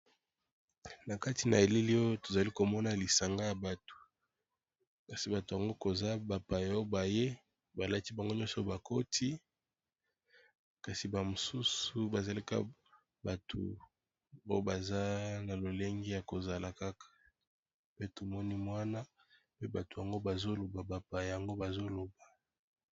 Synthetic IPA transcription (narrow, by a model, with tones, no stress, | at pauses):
na˨ka˦ti˨na˨e˨li˦li˦o˦jo˦to˨za˨li˦ko˨mɔ˦na˨li˨sa˨ŋɡa˦ja˨ba˨to̥˨ | ka˨si˨ba˨to˨ja˨ŋɡo˦ko˨za˦ba˨pa˨ja˨˦o˦ba˨je˦ | ba˨la˦ti˦ba˨ŋɡo˦ɲɔ̃˦sɔ˨˦ba˨ko˦tʰi˦ | ka˨si˨ba˨mo˨su˦su˨ba˨za˨li˦ka̰˦ | ba˨tʰo̰˨ | bo˦o˦ba˨za˦na˨lo˨le˦ŋɡi˦ja˨ko˨za˨la˨ka˦kḁ˨ | pe˦to˨mɔ˦ni˦mwa˦na˦ | pe˦ba˨to˨ja˨ŋɡo˦ba˨zo˦lo˨ba˨ba˨pa˨ja˨ŋɡo˦ba˨zo˦lo˨ba˨